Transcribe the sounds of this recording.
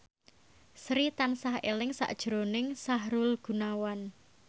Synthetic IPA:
sɾit̪ansahelɪŋsa̰ʔd̥ʒ̥ɾonɪŋsaɦɾulɡ̥ṳnawan

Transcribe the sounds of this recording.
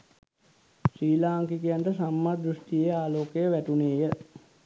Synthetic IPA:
siːlaːŋkikijaɳʈəsamːad̪ɾusʈijeaːloːkejəʋæʈuneːjə

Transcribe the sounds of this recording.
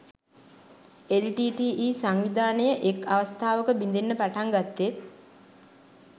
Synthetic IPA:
elʈiːʈiːʔiːsaŋʋid̪aːnəjəʔekaʋəst̪ʰaːʋəkəbind̪enːəpaʈaŋɡat̪ːet̪̚

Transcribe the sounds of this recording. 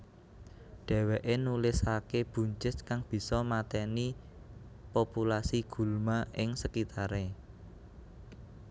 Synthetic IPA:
ɖ̥ɛ̤wɛʔenulɪsakeb̥ṳɲt͡ʃɪstkaŋb̥i̤sɔmat̪ɛni | populasiɡ̥ṳlmaʔɪŋsəkit̪aɾe

